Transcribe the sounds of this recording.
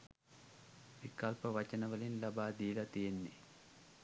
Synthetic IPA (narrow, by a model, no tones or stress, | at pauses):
ʋikɐlpɐʋɐt͡ʃɐnɐʋɐlinlɐbaːd̪iːlɐt̪ijenːi